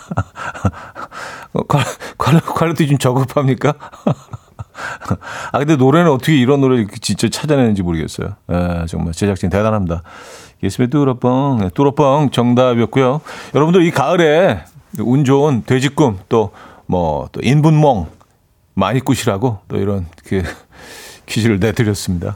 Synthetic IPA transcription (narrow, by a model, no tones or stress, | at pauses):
kakwakwaɭːʌtʰid͡ʑumt͡ɕʌɡɯpʰamɲik͈a | akɯndenoɾenɯnʌt͈ʰʌkʰeiɾʌnːoɾɯkʰet͡ɕint͡ɕ͈at͡ɕʰad͡ʑanenɯnd͡ʑimoɾɯɡes͈ʌ̰jo̰jet͡ɕoŋmaɭt͡ɕed͡ʑakt͡ɕ͈iŋtedanɦamdaies͈ɯmietuɾʌp͈ʌŋjet͈uɾʌp͈ʌŋt͡ɕʌŋdabijʌt̚k͈ujojʌɾʌbundɯɾikaɯɾe | und͡ʑontwe̞d͡ʑik͈umt͈omʌ̰t͈o̰ʔinbunmwʌŋ | ma̰ɲik͈uɕʰiɾaɡot͈o̰ḭɾʌnkʰe | kʰiɕʰiɾɯɭnetʰɯɾjʌs͈ɯmɲida̰